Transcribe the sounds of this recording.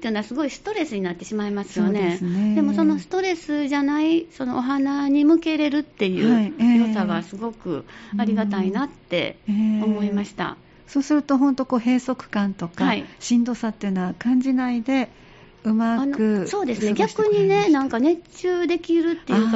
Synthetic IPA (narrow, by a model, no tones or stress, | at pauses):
ejɯ̟noasɨɡo̞isɨ̥t̪o̞ɾe̞sɨɲ̟inat̪ːe̞ɕimaimasɨ̥jjo̞ne̞sned̪emo̞so̞no̞sɨ̥t̪o̞ɾe̞sɨʑanaiso̞no̞ʔoɦanaɲ̟imɯ̟ke̞ɾe̞ɾɯ̟t̪ːe̞jɯ̟ːjosaɡasɨɡo̞kɯ̟̰aɾʲiɡat̪ainat̪ːe̞̰o̞mo̞imaɕi̥t̪a̰ | so̞ːsɨɾɯ̟t̪o̞ɦõnt̪o̞ko̞ːɦe̞ːso̞kɯ̟̥kãnt̪o̞kaaiɕĩnd̪o̞ːsat̪ːeiɯ̟noβakãɲ̟d͡ʑinaid̪e̞ | ɯmaanokɯ̟so̞ːd̪e̞sɨneɡʲakɯ̟ɲ̟ine̞nãŋkane̞t͡ɕɨːd̪e̞kʲiɾɯ̟ːe̞jɯk